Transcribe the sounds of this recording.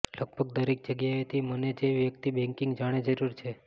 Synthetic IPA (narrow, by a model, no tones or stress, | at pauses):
ləɡ̚bʱəɡd̪əɾek̚d͡ʒəɡjaet̪ʰiməned͡ʒeʋjəkt̪ibɛ̃ŋkiŋɡd͡ʒaɽ̃ed͡ʒəɾuɾt͡ʃʰe